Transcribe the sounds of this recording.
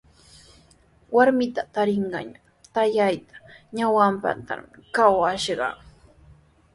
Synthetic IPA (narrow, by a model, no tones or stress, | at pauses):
waɾmɪt̪at̪aɾɪɴɢɑ̰ɲa | t̪ajajt̪ḁɲawampa̰t̪a̰mkawaʃɢɑ̰